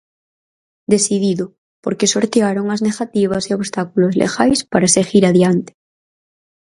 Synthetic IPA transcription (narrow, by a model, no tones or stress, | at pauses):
d̪esiðiðo | poɾkesoɾt̪eaɾoŋazneɣat̪iβ̞asioβst̪akulozlḛɣajspaɾaseɣiɾaðjant̪e̥